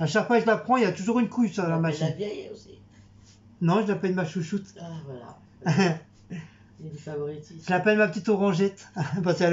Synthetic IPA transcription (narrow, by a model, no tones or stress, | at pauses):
aʃakfwakʒəlapχɑ̃ilat̪uʒuʁynkʰujsalamaʒivjɛjosi | nɔ̃ʒəlapɛlmaʃuʃut̪vwala | favɔʁit̪iʒəlapɛlmapət̪it̪ɔʁɑ̃ʒɛt̪pask